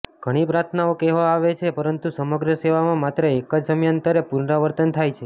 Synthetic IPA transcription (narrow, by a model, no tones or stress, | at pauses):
ɡ̥ʱəɽ̃ipɾat̪ʰnaokɛɦʋãaʋet͡ʃʰepəɾənt̪usəməɡɾəseʋamãmat̪ɾəekəd͡ʒd̪əmjant̪əɾepuɾnaʋəɾt̪ənt̪ʰajt͡ʃʰe